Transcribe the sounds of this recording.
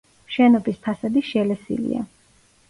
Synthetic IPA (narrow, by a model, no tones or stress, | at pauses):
ʃɛnɔbispʰasad̪iʃɛlɛsḭlḭa̰